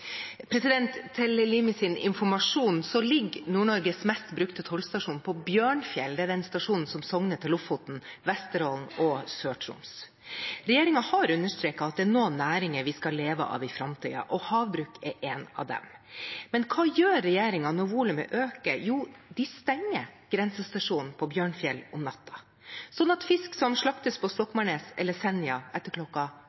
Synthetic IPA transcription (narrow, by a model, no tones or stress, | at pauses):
pʰɾɛsɪd̪ɛnt̪ʰːɛləlɪmɪsɪnɪ̰nfɔɾmɑʂuːnsɔlɪɡːnuːɳɔɾɡəsmɛst̪bɾʉkt̪ət̪ʰɔlst̪ɑʂuːnpʰɔbjøːɳfjɛld̪ɛæd̪ɛnst̪ɑʂuːnn̩sɔmsɔŋnət̪ʰːɪlʊfʊt̪n̩ʋɛst̪əɾɔlnɔsøːʈʰɾʊ̰ms | ɾɛjeːɾɪŋɑhɑɾʉnːəʂt̪ɾeːkɑɑt̪̚d̪ɛːɳoːnæːɾɪŋəɾʋɪskɑleːʋə̰ʔɑ̰ːʋɪfɾɑmt̪ʰḭːɑ̰ʔɔhɑːʋbɾʉːkɛʔeːnɑ̰ʋd̪ɛ̰mmɛnkʰɑːjøːɾːɛjeːɾɪŋɑnɔʋuːləmə̰ʔøːkəjuːd̪ɪst̪ɛŋːəɡ̥ɾɛnsəst̪ɑʂuːnn̩pʰɔbjøːɳfjɛlʊmnɑt̪ʰːɑ̥ | sɔnːɑt̪fɪsksɔmʂɭɑkt̪əspʰɔst̪ɔkːmɑɳeːsɛlːəsɛnːɪɑɛt̪ːəɾkʰlɔkːɑ